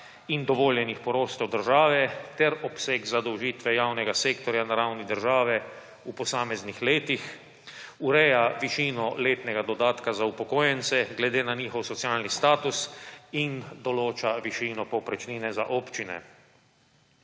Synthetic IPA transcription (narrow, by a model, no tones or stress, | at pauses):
ind̪ɔʋoːljɛnixpɔɾoːst̪ɔwd̪əɾʒaːʋɛt̪ɛɾɔpseɡzad̪ɔwʒiːt̪ʋɛjawnɛɡaseːkt̪ɔɾjanaɾawnid̪əɾʒaːʋɛ | upɔsaːmɛznixleːt̪ix | uɾɛjaʋiʃiːnɔleːt̪nɛɡad̪ɔd̪aːt̪kazaupɔkoːjɛnsɛɡlɛd̪eːnaniːxɔwsɔt̪sjaːlnist̪aːt̪usind̪ɔloːt͡ʃaʋiʃiːnɔpɔpɾɛt͡ʃniːnɛzaʔoːpt͡ʃinɛ̰